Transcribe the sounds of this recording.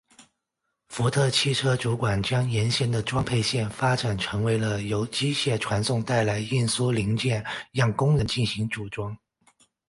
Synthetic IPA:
fu˧˥t̪ʰɤ˥˧t͡ɕʰi˥˩ʈ͡ʂʰɤ˥ʈ͡ʂu˧˥kwa˨˩nt͡ɕjɑ˥ŋjɛ˧˥nɕjɛ˥˩nd̪ə˨ʈ͡ʂwɑ˥ŋpʰe˥˧ɪɕjɛ˥˩nfa˥ʈ͡ʂa˨˩nʈ͡ʂʰɤ˧˥ŋwe˧˥ɪlə˧jo˧˥ʊt͡ɕi˥ɕjɛ˥˩ʈ͡ʂʰwa˧˥nsʊ˥˧ŋt̪a˥˩ɪla˧˥ɪi˥˩nsu˥li˧˥ŋt͡ɕjɛ˥˧njɑ˥˩ŋkʊ˥ŋɻə˧˥nt͡ɕi˥˩nɕi˧˥ŋʈ͡ʂu˨˩ʈ͡ʂwɑ˥ŋ

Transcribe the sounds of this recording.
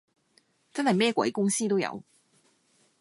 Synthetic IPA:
t͡sɐ˥nha˨˩mɛː˥˩kwɛ̰˨˧˥kʊ˥ŋsiː˥t̪̬o˥wjɐ̰˨˧˥w

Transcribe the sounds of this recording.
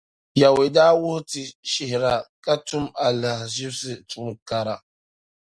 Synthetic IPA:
ja˨we˨daː˦wʊ˦ti˨ʃi˨hɾa˨ka˦tu˦ma˨la˨ʒi˦bsɪ˦tu˨ŋ˨ka˨ɾa˨

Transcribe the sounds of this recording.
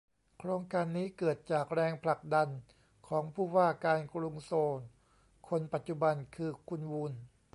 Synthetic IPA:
kʰɾoː˧ŋkaː˧nːiː˦˥kɤː˨˩t̪̚t͡ɕaː˨˩k̚ɾɛː˧ŋpʰla˨˩k̚da˧n | kʰɔː˩˦ŋpʰuː˥˩waː˥˩kaː˧nkɾu˧ŋsoː˧n | kʰo˧npa˨˩t̪̚t͡ɕu˧˩ba˧nkʰɯː˧kʰu˧nwu˧n

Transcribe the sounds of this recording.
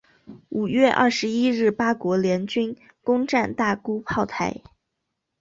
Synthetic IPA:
u˨˩ɥɛ˥˧ʔɐ̰˥˩ʂɻ̩˧˥i˥ɻɻ̩˥˩pa˥kwɔ˧˥ljɛ˧˥nt͡ɕy˥n | kʊ˥ŋʈ͡ʂa˥˧nt̪a˥˩ku˥pʰɑ˥˩ʊt̪ʰa˧˥ɪ

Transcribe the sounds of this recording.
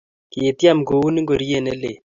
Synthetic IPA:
ki˨e˨t̪ja˦mɡo˨u˦ni˦ŋɡo˨ɾi˦e˦˨nɛ˦le˨

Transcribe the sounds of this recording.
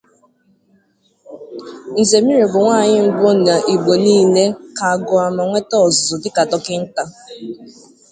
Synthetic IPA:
n̩˨ze˨mi˦ɾe˨bʊ˨ŋʷaː˦˨ɲɪ˦m̩˦bʊ˦na˨ʔi˨ɡ͡bo˨niː˦ne˦ka˨a˨ɡʊ˨a˨ma˨ŋʷe˦tɔ˦˨zʊ˨dɪ˦ka˨tɔ˨kɪ˦n̩˦ta˦

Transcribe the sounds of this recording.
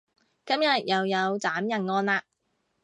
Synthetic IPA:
kɐ˥mjɐ˨t̚jɐ˨wjɐ˨˧wt͡saː˨˥mjɐ˨˩nŋɔː˧nlaː˧

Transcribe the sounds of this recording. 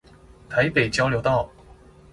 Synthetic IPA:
t̪ʰa˧˥ɪpe˨˩ɪt͡ɕjɑ˥ʊljo˧˥ʊt̪ɑ˥˩ʊ

